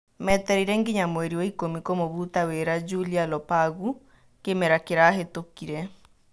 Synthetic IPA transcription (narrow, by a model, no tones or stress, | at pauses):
mɛtɛɾiɾɛŋɡeɲamwɛɾioikomikomoβutaweɾad͡ʒulialɔpaɣu | kemɛɾakeɾaːɦetokiɾɛ